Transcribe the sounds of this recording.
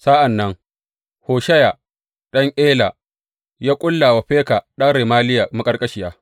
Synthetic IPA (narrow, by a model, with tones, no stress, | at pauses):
sa˦ʔa˨nːɐ˦ŋ | hoː˨ʃɐ˦ja˨ | ɗɐ˦ŋʔeː˦la˨ | jaː˦kʷʼʊ˦lːa˨wa˨ɸeː˦ka˨ɗɐ˦ŋɾe˨maː˦lɪ˦ja˨mɐ˦kʼɐ˦rkʼɐ˦ʃɪ˨jaː˦